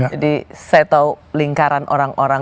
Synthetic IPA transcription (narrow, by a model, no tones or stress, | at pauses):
d͡ʒadisɛt̪aliŋkaɾanʔoɾaŋʔoɾa